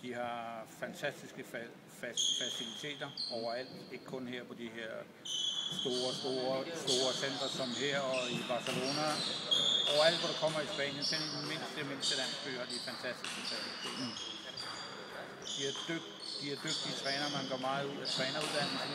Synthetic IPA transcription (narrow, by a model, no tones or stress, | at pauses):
d̥ihɑ̈fænt͡sʰæsd̥isɡ̥ə | ffæsilit͡sʰe̝̰ːd̥ɐɒʊɐæl̰d̥e̝ɡ̥əkʰɔ̽nheɐ̰pʰɒ̽d̥iheɐ̰ | sd̥o̝ːɐsd̥o̝ːɐsd̥o̝ːɐsen̰d̥ʁɐsɒ̽mɦeɐ̰ɒ̽ib̥ɑ̈ːsəlo̝ːnæ | ɒʊɐæl̰d̥ʋɒɾ̥ɑkʰɒ̽m̰ɐisb̥ɛ̰ːn̰jənkʰenememe̝n̰sd̥eme̝n̰sd̥ilæn̰sb̥ø̰ːhɑ̈d̥ifænt͡sʰæsd̥isɡ̥əfæsilit͡sʰe̝̰ːd̥ɐ | d̥iæɐd̥øɡ̥̚ | d̥iæɐd̥øɡ̥̚d̥iət͡sʰʁɛːnɐmænɡ̥ɶɐmɑ̈ːð̩ˠuð̰ˠæt͡sʰʁɛːnɐuðˠd̥æn̰l̩sn